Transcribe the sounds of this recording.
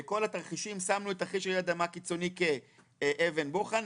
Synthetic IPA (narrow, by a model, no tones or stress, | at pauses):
eko̞lat̪aʁχiʃimsamnuet̪aχiʃead̪amakit͡so̞nike̞ | ʔeve̞nboχan